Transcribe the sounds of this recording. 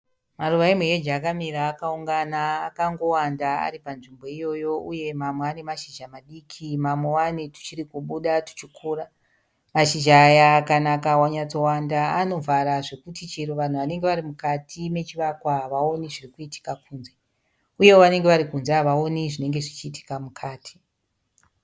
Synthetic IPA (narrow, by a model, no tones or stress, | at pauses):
maruʋaimwejed͡ʒaːkamiɾaːkauŋɡanaːkaŋɡo̞wandaa̰ɾipanʐimbo̞ijo̞jo̞ʔuje̞mamweane̞maʃiʒamaɗikʰimamwe̞wanetu̥t͡ʃirikuɓuɗatu̥t͡ʃikʰura | maʃiʒaːjakanakawaɲat͡so̞wandaano̞vʱaɾaʐe̞kutit͡ʃeɾoʋan̤uʋane̞ŋɡe̞ʋaɾimukatʰime̞t͡ʃiʋakwaʋao̞niʐirikuitʰi̥kakʰuːnze̞ | uje̞woʋane̞ŋɡe̞ʋaɾikunzeʋao̞niʐine̞ŋɡe̞ʐit͡ʃiːtʰi̥kamukʰaːtʰi̥